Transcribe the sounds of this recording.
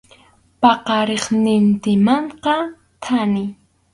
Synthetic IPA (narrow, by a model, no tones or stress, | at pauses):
pɑqɑɾeχnɪnt̪ɪmɑɴqɑ | t̪ʰanɪ